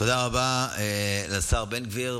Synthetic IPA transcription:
t̪od̪aʁabaelasaʁbenɡviʁ

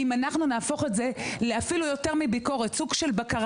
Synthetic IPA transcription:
imanaχnunaːfo̞χetze̞leafilujo̞te̞ʁmibiko̞ʁet͡suɡʃe̞lbakaʁ

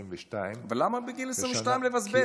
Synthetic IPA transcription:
ʃtajvelamabeɡilesʁivʃt̪ajmlevazbe

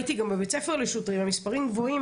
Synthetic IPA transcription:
t̪iɡambebet͡sefeʁliʃut̪ʁimhamispaʁimɡvo̞im

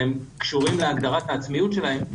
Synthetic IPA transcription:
emkʃuʁimle̞aɡd̪aʁat̪aːt͡smijut̪ʃe̞lahe̞m

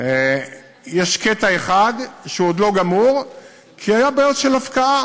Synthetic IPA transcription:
e | jeʃket̪ae̞χad̪ʃeod̪lo̞ɡamuʁ | kʰiajabaotʃelafkaʔa

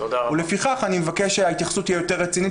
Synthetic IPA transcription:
ulefiχaχanimevakeʃeait̪jaχsuthiajo̞te̞ʁːet͡sini

